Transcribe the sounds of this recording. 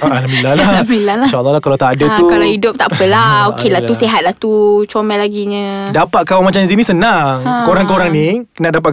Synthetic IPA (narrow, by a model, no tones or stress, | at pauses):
alammilːalamilalaʃalːɔlahkalawt̪adat̪ukalaidʊp̚t̪aʔpəlaokelauseɦat̪̚laht̪ut͡ʃomɛlaɡiɲə̃dapat̪̚kawamat͡ʃamzinĩsənaŋkoɾaŋkoɾaŋninaʔdap̬at̪̚